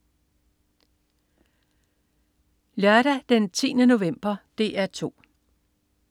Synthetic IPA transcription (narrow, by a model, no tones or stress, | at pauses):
lœɐɾ̥æd̥ent͡sʰḭːnəno̝ʋem̰b̥ɐd̥e̝̰ːæɐt͡sʰo̝̰ː